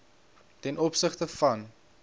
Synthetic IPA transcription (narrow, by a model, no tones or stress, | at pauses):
tɛnʔɔpsəχtəfɐn